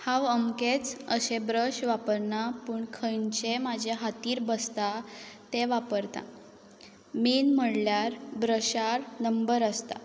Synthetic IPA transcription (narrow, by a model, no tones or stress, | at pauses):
hãʋəmket͡səɕebɾəɕʋapəɾnapuːɳkʰəjɳt͡ɕemad͡ʑʱaɦat̪iːɾbəst̪at̪eʋapəɾt̪a̰ | menm̤əɽljaɾbɾəɕaɾnəmbəɾəst̪a̰